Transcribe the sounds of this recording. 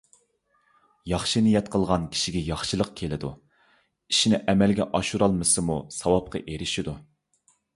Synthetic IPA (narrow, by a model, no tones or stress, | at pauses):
jɑχʃɨnijɛt̪qʰəlˠʁɑnkʲʰi̥ʃiɡʲɛjɑχʃɨlˠəq̚kʲʰelɪd̪u | iʃinɪʔɛmɛlɡʲɛʔɑʃuɾɑlˠmɨsɨmusɑwɑp̚qʰɑ̰ʔeɾɪʃid̪u